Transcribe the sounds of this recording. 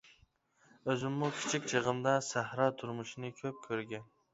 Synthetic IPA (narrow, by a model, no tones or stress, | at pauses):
øzɪmːukʲʰi̥t͡ʃʰikʲt͡ʃʰəʁəmd̪ɑsæhɾɑt̪ʰʊɾmʊʃinɪkʲʰøp̚kʲʰøɾɡʲɛn